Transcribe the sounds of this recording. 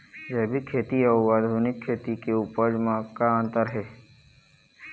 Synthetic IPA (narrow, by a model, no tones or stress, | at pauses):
d͡ʒɛɦbʱikʰːeːt̪iɔːwaːd̪ʱuːnɪkʰːeːt̪ikeuːpəd͡ʒmãkaə̃nt̪əɾɦɛː